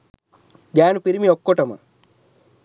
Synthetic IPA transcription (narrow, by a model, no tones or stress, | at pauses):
ɡaːnupiɾimiokːoʈɐmɐ̰